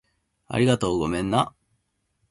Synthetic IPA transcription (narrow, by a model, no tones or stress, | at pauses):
a̰ɾʲiɡat̪o̞ːɡomẽ̞nːa